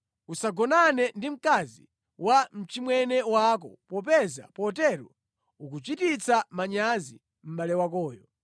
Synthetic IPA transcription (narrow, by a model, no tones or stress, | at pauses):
usaɡɔnanɛndim̩kazḭ | wam̩t͡ʃimwɛnɛwak̬ɔpɔpɛza̰pɔtɛɾɔ | uk̬ut͡ʃitit͡samaɲazi | m̩ɓalɛwakɔːjɔ